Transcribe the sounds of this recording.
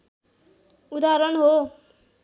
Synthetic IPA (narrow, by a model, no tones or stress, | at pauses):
ud̪aɾʌnɦo